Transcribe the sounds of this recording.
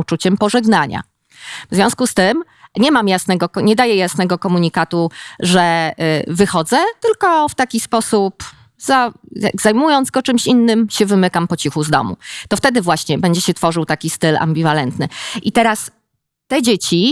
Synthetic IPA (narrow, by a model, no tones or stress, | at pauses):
ut͡ʂut͡ɕɛmpɔʐɛɡnaɲa̰ | vzvʲjɔ̃w̃skust̪ɘm | ɲɛmamjasnɛɡɔkɔɲɛd̪ajɛjasnɛɡɔkɔmuɲikat̪uʐɛvɘxɔd̪zɛt̪ɘlkɔft̪akʲispɔsup | zaja̰ɡzajmujɔnd̪zɡɔt͡ʂɘmɕinːɘmɕɛvɘmɘkampɔt͡ɕixuzd̪ɔ̰mṵt̪ɔft̪ɛd̪ɘvwaɕɲɛbɛɲd͡ʑɛɕɛt̪fɔʐɘwt̪akʲist̪ɘla̰mbʲivalɛnt̪nɘʔit̪ɛɾas | t̪ɛd͡ʑet͡ɕi